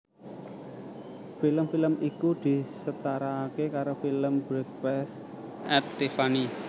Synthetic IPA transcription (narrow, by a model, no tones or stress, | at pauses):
filəmfiləmʔikud̪̥i̤sət̪aɾakekaɾofiləmbɾɛk̚pɛs | ʔɛt̪ːefani